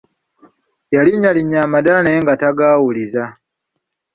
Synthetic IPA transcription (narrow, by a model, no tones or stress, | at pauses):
jaliɲaliɲːaːmadaneŋɡataɡaːwuliza